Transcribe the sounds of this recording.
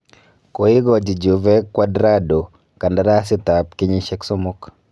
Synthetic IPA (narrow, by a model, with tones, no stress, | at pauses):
ko˨ɪ˦ɡɔ˨d͡ʒi˨d͡ʒu˨vɛ˦kwadɾa˦do˨ | ka˨nda˨ɾa˦sɪ˦ta˨p̚kɪ˦ɲɪ˦ʃɛ˦kso˦mʊ˦k